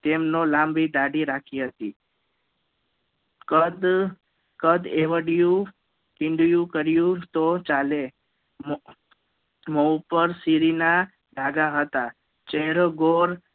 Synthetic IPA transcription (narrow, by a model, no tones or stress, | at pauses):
t̪emnolambid̪aɽiɾakʰiɦət̪ḭ | kəd̪ | kəd̪eʋəɽjũ | kɪ̃ɳɖjũkəɾjũt̪ot͡ʃale | məupəɾsiɾina | ɖaɡaɦət̪a | t͡ʃeɦɾoɡoɾ